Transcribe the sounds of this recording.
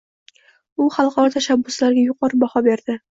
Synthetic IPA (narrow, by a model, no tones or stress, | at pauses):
ʊχɑlˠqɑɾɒt̪ʰaʃabːʊslaɾɡʲajʊqʰɒɾɪbɒhɒbeɾd̪̥ɪ